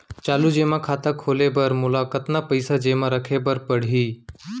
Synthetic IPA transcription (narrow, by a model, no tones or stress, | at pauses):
t͡ʃaːlud͡ʒeːmãːkʰaːt̪akʰoːleːbəɾmʊlaːkət̪naːpəɪsaːd͡ʒeːmãːɾəkʰeːbəɾpəɽ̤iː